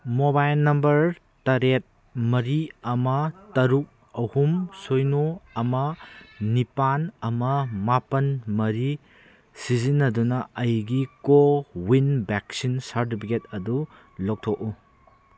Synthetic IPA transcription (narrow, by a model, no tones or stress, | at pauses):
mobajlnɐmbɐɾ | tɐɾet̚ | mɐɾiɐmɐtɐɾuk̚ | ɐhumsojnoɐmɐnipanɐmɐmapɐnmɐɾi | sizinːɐdunɐɐjɡikowinbeksinsaɾtipʰiketɐdu | lok̚tʰok̚u